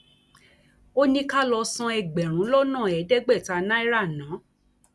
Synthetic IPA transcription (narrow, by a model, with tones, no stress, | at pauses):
o˦nĩ˧ka˦lɔ˧sã˧ɛ˧ɡ͡bɛ˨ɾ̃ũ˨˦lɔ˦nã˦˨ɛ˨˦dɛ˦ɡ͡bɛ˦˨ta˨˧nã˦i˦ɾa˦˨nãː˨˦